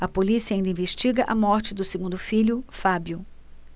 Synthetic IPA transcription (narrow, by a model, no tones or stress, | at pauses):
ɐpolisiɐaĩnd̪ɐĩveʃt͡ʃiɡɐʔɐmɔɾt͡ʃɪd̪ʊseɡũnd̪ʊfilʊfabjʊ